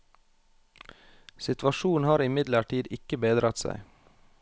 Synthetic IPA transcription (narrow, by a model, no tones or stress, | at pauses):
sɪt̪ʋɑʃuːn̩hɑːɾɪmɪd̪ləʈiːd̪ɪkəbeːd̪ɾʔɑt̪sæ̰ɪ